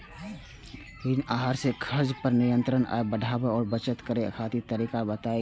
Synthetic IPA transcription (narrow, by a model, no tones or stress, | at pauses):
ɦɪnaɦaɾsekʰəɾd͡ʒpəɾnɪjə̃nt̪ɾəna̰ebəɖʱaːbeɔːɾbət͡ʃət̪kəɾekʰaːt̪it̪əɾiːkabət̪ae